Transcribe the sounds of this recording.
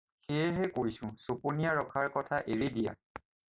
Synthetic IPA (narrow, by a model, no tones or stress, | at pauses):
xeɛɦɛkoɹisʊ̃soponijaɹɔkʰaɹkɔtʰaʔeɹidija̰